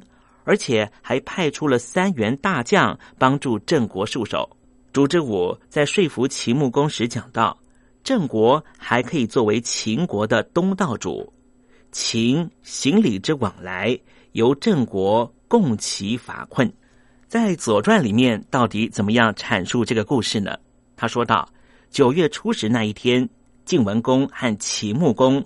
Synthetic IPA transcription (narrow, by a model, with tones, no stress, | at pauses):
ə˞˧˥t͡ɕʰjɛ˨˩xa˧˥ɪpʰa˥˩ɪʈ͡ʂʰu˥lə˨sa˥nɥɛ˧˥nt̪a˥˧t͡ɕjɑ˥˧ŋpɑ˥ŋʈ͡ʂu˥˧ʈ͡ʂə˥˩ŋkwɔ˧˥ʂu˥˩ʂo̰˨˩˦ʊ | ʈ͡ʂu˧˥˩ʈ͡ʂɻ̩˥wu˨˩t͡sa˥˧ɪʂwe˥˩ɪfu˧˥t͡ɕʰi˧˥mu˥˩kʊ˥ŋʂɻ̩˧˥t͡ɕjɑ˨˩ŋt̪ɑ˥˩ʊ | ʈ͡ʂɤ˥˩ŋkwɔ˧˥xa˧˥ɪkʰɤ˧˥i˨˩t͡swɔ˥˩we˧˥ɪt͡ɕʰi˧˥ŋkwɔ˧˥d̪ə˧t̪ʊ˥ŋt̪ɑ˥˩ʊʈ͡ʂṵ˨˩˦ | t͡ɕʰi˧˥ŋɕi˧˥ŋli˨˩ʈ͡ʂɻ̩˥wɑ˨˩ŋla˧˥ɪ | jo˧˥ʊʈ͡ʂɤ˥˩ŋkwɔ˧˥kʊ˥˩ŋt͡ɕʰi˧˥fa̰˨˩kʰwə˥˩n | t͡sa˥˩ɪt͡swɔ˨˩ʈ͡ʂwa˥˩nli˨˩mjɛ˥˧nt̪ɑ˥˩ʊt̪i˧˥t͡sə˨˩nmə˦jɑ˥˩ŋʈ͡ʂʰa˨˩nʂu˥˧ʈ͡ʂɤ˥˩ɡə˩ku˥˧ʂɻ̩˥˩nə̰˩ | t̪ʰa˥ʂwɔ˥t̪ɑ̰˥˩ʊ | t͡ɕjo˨˩ʊɥɛ˥˩ʈ͡ʂʰu˥ʂɻ̩˧˥na˥˧i˥˩t̪ʰjɛ˥n | t͡ɕi˥˩ŋwə˧˥nkʊ˥ŋxa˥˩nt͡ɕʰi˧˥mu˥˩kʊ˥ŋ